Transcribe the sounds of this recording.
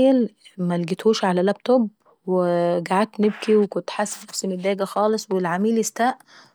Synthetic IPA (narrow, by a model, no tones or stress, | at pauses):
jælmælɡit̪huːʃʕalælæb̚t̪ob | weɡaʕat̪ːneb̚kiwekʊnt̪ħasːænnæfsimed̪ːæːɡæxɑːlesˤwelʕamiːlest̪æːʔ